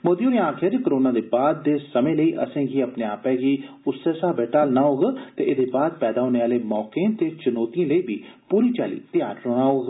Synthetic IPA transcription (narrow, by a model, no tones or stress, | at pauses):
moːd̪iõːɾẽaːkʰeɾkəɾoːnaːd̪eːbaːd̪ːeːsəmẽːləiːʔə̰sẽːɡiːəpneːaːpɛːɡiːʊseːsaːbɛːʈaːlnaːɦoːɡat̪eːʔɪd̪eːbaːd̪̚pɛːd̪aːɦoːneːaːleːmɔːkẽt̪eːt͡ʃʊnoːt̪ijãːləiːbiːpuːɾiːt͡ʃaːlḭːt̪ɪjaːɾːoːnaːɦoːɡ